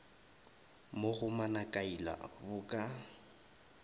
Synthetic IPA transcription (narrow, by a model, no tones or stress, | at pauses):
moɣʊmanakʼaila̰bʊkʼa